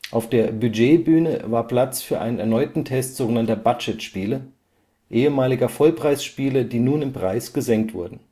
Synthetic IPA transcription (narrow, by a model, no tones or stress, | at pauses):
ʔaʊfd̥eːɐbyd͡ʒeːbyːnə̰vaːɐpl̥at͡sfyːɐʔa̰ɪnənɛɐnɔʏtn̩tʰɛstz̥oːɡənantɐbat͡ʃɛtʃpiːlə | ʔeːəmaːlɪɡɐfɔlpʁ̥aɪsʃpiːlɐdiːnuːnɪmpʁ̥aɪsɡ̥əzɛŋk̚tv̥ʊɐdn̩